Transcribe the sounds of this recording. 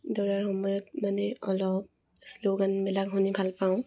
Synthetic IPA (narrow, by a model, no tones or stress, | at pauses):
dɔɹaɹhɔmɔjɔt̚manɛɔlɔp̚ | sloɡanmilaɡɦunibʱalpaʊ̃